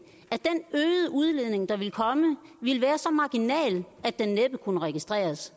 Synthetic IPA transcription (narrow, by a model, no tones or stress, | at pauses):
æd̥enøːðˠəʔuð̞ˠle̝ð̰ˠne̝ŋd̥ɑ̈ʋe̝lkʰɒ̽məʋiləʋæːɐsɒ̽mɑ̈ɡ̥inɛ̰ːlʔæd̥enːeb̥əkʰunəʁɛɡ̥isd̥ʁɛ̰ːɐs